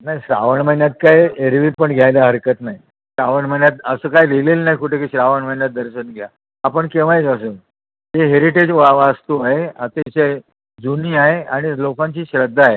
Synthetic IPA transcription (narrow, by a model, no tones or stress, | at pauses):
najɕɾaʋəɳm̤ənjat̪̚kajeɾʋiːpəɳɡʱjajləɦəɾkət̪naɦi | ɕɾaʋəɳm̤ənjat̪əsəːkajlelelnaɦikuʈʰekiːɕɾaʋəɳm̤ənjat̪̚d̪əɾɕənɡʱja | apəɳkeʋ̤əjd͡zəsə | ɦeɦeɾiʈed͡ʑʋaʋast̪uaɦeat̪et͡ɕe | d͡zuniːaɦeaɽ̃ilokaɲt͡ɕiːɕɾəd̪ʱːaɦe